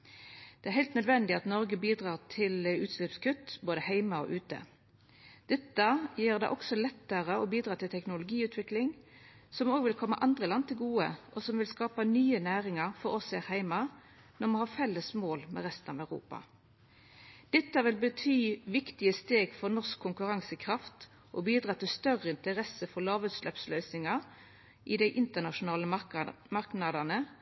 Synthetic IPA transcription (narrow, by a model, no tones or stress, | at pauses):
d̪̥ɛæʁɦɛɪlt̪nœd̪ʋɛnd̪ɪɑt̪nɔʁɡəbiːd̪ʁɑːʁt̪ʰɪlʉːt̪slɪpskʉt̪ːboːd̪əhæɪmɑɔ̰ʔʉːt̪ə̰ | d̪̥ɛt̪ːəjiːʁd̪ɛ̰ʔɔksɔlɛt̪ːəʁəɔbiːd̪ɾɑːt̪ʰɪlt̪ʰɛknʊlʊɡiːʉːt̪ʰʋɪklɪŋ | sɔmoːɡʋɪlkʰɔmːə̰ʔɑnd̪ʁəlɑnt̪ʰɪlɡuːə̰ʔɔsɔmʋɪlskɑːpənyːənæːʁɪŋɑʁfɔɾɔsæːʁhæɪmɑ | nɔmɑnhɑːfɛlːəsmoːlmɛ̰ʁɛst̪ənɑ̰ʋæʉʁṵːpɑ̰ | d̪̥ɛt̪ːəʋɪlbət̪ʰyːʋɪkt̪ɪəst̪eːɡfɔʁnɔskʰːʊŋkʉʁɑŋsəkʰʁɑft̪ | ʔɔbiːd̪ɾʁɑːt̪ɪlst̪œʁəɪnt̪əʁɛsːəfɔlɑːʋʉːt̪slɛpslœːsnɪŋɑ | ʔɪd̪æɪʔɪnt̪ənɑʃʊnɑːləmɑɾknɑd̪ɑnə